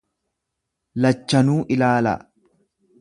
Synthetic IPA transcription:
lɐt͡ʃːɐnuːʔɪlaːlɐ̰

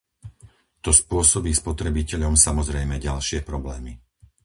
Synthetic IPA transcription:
t̪ɔspʊɔsɔbiːspɔt̪ɾɛbicɛʎɔmsamɔzɾɛjmɛɟalʃɪɛpɾɔblɛːmi

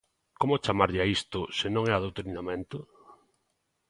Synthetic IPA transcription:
komʊt͡ʃamaɾʎɪaist̪ʊsɪnõŋɛaðot̪oɾninamẽnt̪ʊ

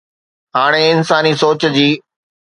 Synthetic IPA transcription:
ɦaːɽ̃eɪnsaːnisoːt͡ɕd͡ʑiː

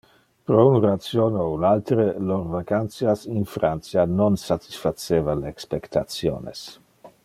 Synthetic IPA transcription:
pɾounrat̪sjoːnounalt̪ɾelorvakant̪siasinfɾant̪t͡sianonsat̪i̥sfat̪t͡seːvaleːkspekt̪at̪sjo̰ːnḛs

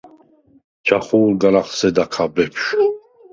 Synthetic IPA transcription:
d͡ʒʰaχuːlɡaɾaχsɛd̪akʰabɛpʰʃ

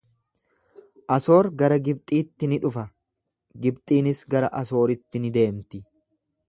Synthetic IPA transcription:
ʔɐso̞ːɾɡɐɾɐɡɪb̚t̪ʼiːt̪ːɪnɪᶑʊfɐ | ɡɪbt̪ʼiːnɪsɡɐɾɐʔɐso̞ːɾɪt̪ːɪnɪd̪e̞ːmt̪ɪ

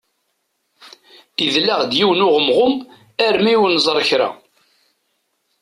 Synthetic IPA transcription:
iðlːæʁd̪jiwnʊʁəmʁʊm | æɾmiwnzˤɾˤəçɾa̰

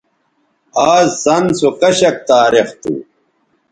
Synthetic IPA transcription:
aːzzɐnsokɐɕɐk̚t̪aːɾext̪ṵ

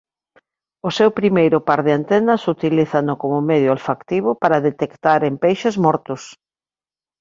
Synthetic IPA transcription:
ʊsewpɾimejɾʊpaɾðɪant̪ɛnɐsut̪iliθanʊkomʊmɛðjʊalfakt̪iβ̞ʊpaɾaðet̪ekt̪aɾempejʃezmɔɾt̪ʊs

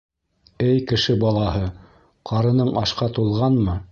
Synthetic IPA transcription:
ɘjkɘ̆ʃɘbɑlˠɑhɤ | qʰɑɾɤ̆nɤɴɑʃqɑt̪ulˠʁɑnmɤ

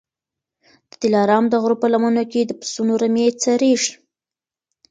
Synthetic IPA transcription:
d̪̥ət̪ɪlɑɾɑmd̪əɣɾopəlamənoked̪əpə̥sunoɾamet͡saɾeʒi̥

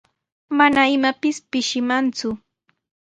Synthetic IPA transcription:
manaɪmapɪspɪʃɪmant͡sʊ

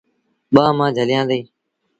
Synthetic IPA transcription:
ɓãːmãːd͡ʒʱəlɪjãːd̪eː

